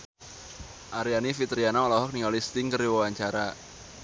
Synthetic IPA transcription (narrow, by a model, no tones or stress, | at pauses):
ʔaɾianifit̪ɾianaɔlɔɦɔk̚niŋɡalist̪ɪŋkəriwawaɲt͡ʃaɾa